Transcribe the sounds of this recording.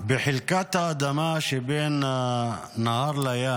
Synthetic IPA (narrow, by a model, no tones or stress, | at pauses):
biħilkat̪ad̪ɐmaʃiben | naaɾlɐja